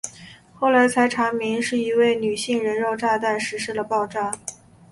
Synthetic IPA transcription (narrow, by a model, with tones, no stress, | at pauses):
xo˥˩ʊla˧˥ɪt͡sʰa˧˥ɪʈ͡ʂʰa˧˥ŋmi˧˥ŋʂɻ̩˥˩i˧˥we˥˩ɪny˨˩ɕi˥˩ŋɻə˧˥nɻo˥˧ʊʈ͡ʂa˥˧t̪a˥˩ɪʂɻ̩˧˥ʂɻ̩˥˩lə˩pɑ˥˧ʊʈ͡ʂɑ˥˩